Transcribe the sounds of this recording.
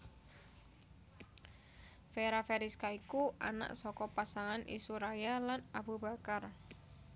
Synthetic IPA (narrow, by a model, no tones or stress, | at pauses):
feɾafeɾiskaikuʔa̰na̰ʔsɔkɔpasaŋanʔḭsuɾajalanabubakar